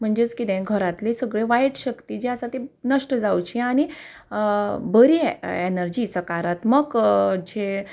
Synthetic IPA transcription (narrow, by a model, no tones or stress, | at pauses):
m̤əɳd͡ʑet͡skit̪ẽɡʱəɾat̪lesəɡɭeʋajʈɕəkt̪id͡ʑeəsat̪enəʂʈəd͡zawt͡ɕiañi | bəɾienəɾd͡ʑiːsəkaɾat̪məɡd͡ʑe